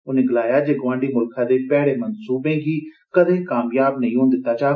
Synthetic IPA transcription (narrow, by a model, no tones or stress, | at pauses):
ʊnẽɡɪlaːjad͡ʒeːɡʋãːɳɖiːmʊlkʰãd̪epɛːɽemɐnsuːbẽɡiː | kɐd̪ʱẽkaːmjaːbnɐĩõːnd̪ɪt̪ːaːt͡ʃaː